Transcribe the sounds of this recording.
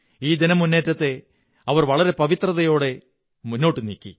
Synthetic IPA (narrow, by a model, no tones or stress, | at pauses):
iːd̪inɐmunːe̞ːtːɐt̪ːe̞ | ɐʋɐrʋɐɭɐɾe̞pɐʋit̪rɐðɐjo̞ːɽe̞ | munːo̞ːʈːɨnḭːkʲːḭ